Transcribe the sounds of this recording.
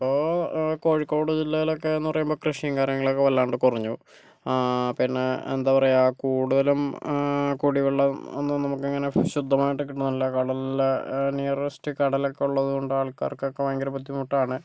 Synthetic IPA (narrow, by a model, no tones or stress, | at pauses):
ɐpːoːko̞ːɻikːo̞ːɽɨd͡ʑilːɐjilo̞kːe̞ːnːupɐrɐjumbo̞ːkrɨʂijɐŋkaːɾjɐŋːɐɭokːe̞ʋɐlːaːɳɖɨkurɐɲːu | pinːe̞ḛnd̪aːʋɐrejaːkuːɽuðɐlum | kuːɽiʋiɭːɐo̰nːɨnɐmukːeŋːɐne̞ɕud̪ʱːɐmaːjiʈːɨkiʈːunːilːɐkɐɽɐl | niːresi̥tɨkɐɽɐlokːeuɭːɐðuɣo̞ɳɖɨaːɭkːa̰ːrkːɨokːeʋaŋɡɐɾɐpɐt̪ːimuʈːaːɳɨ